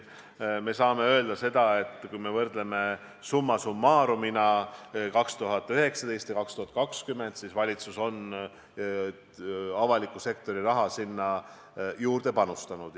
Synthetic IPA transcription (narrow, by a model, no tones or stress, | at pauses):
me̞sɑːme̞ø̞ld̪̥ɑse̞d̪̥ɑe̞t̪ːˑkujme̞vɤrd̪le̞me̞ | sumːɑsumːɑːɾuminɑkɑkst̪uɦɑt̪ːˑøɦe̞ksɑd̪e̞jst̪jɑkɑkst̪uhɑt̪̚ːˑkɑkskymːe̞nd̪sisvɑlʲit̪suso̞n | ɑvɑlikˑːuse̞kt̪o̞ɾirɑɦɑsinːɑ | juːrd̪̥e̞pɑnust̪ɑnud̪̥